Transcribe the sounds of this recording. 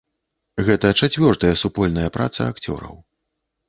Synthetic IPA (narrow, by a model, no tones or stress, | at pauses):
ɣɛt̪ɐt͡ʂat͡sʲvʲɔrt̪ɐjɐsupɔlʲnɐjɐpɾa̰t̪sɐ̰akt͡sʲɔ̰ɾɐ̰w